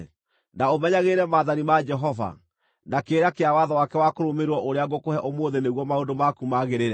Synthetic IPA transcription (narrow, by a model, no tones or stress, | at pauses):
naomɛɲaɣeɾɛmaːðanimad͡ʒɛɦɔva̰ | nakeːɾakeawaðawakɛwakoɾomeɾwɔʔoɾeaɡokohɛʔomoːðeneɣwɔmaondomakumaɣeɾeɾɛ